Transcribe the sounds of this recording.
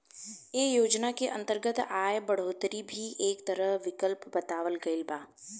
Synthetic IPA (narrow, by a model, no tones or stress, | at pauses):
eːjoːd͡ʒnakeʔɐ̰̃nt̪əɾɡət̪aːjbɐɽ̤oːt̪ɾibʱiʔeːkt̪ɐɾəɦʋɪkəlpbɐt̪aːʋəlɡɐɪlbaː